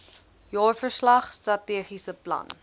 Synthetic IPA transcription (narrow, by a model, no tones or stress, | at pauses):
jɔːrfərslɐχstrɐtiəχisəplɐ̰n